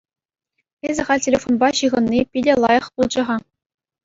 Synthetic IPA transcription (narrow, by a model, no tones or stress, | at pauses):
ezʲɘ̆ʁɑlʲtʲelʲefonbɑɕɯʁɤ̆nːʲipʲidʲĕlˠɑjɤ̆χpulˠd͡ʑɤ̆ʁɑ